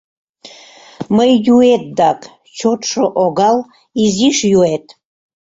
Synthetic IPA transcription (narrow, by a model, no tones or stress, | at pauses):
məjjuet̪̚d̪akʼ | t͡ʃʰot̪ʰʂəʔoɡal | iziʂjuet̪ʼ